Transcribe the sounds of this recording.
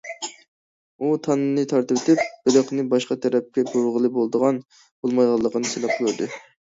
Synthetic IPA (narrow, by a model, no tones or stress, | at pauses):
ut̪ʰɑnɨnɨt̪ʰɑɾt̪ɨwt̪ɪp̚b̥ɪɾəqnɨbɑʃqɑt̪ʰæɾɛp̚kʲɛɡoɾʁəlˠɨbolˠd̪əʁɑn | b̥olˠmɑjʁɑlˠːəqənɨselɛp̚qʰɨlˠuɾd̪ɨ